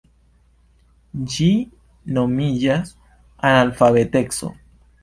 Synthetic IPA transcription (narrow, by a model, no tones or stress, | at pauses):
d͡ʒi | nomiʝas | analfaβet̪ekso̰